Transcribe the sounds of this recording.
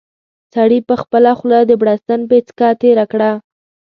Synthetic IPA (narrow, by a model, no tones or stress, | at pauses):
saɽipəxpəlaxlad̪əbɽast̪anpet͡skɑt̪eɾakɽa